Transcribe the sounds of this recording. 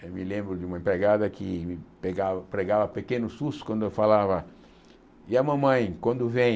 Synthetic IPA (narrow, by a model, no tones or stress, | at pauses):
ewmɪlẽmbɾʊd͡ʒɪũmɐẽpɾeɡad̪ɐkɪmɪpeɡavɐpɾeɡavɐpekẽnʊsuskwɐ̃nd̪ʊewfalavɐ | ɪɐmɐ̃mɐ̃j̃kwɐ̃nd̪ʊvẽ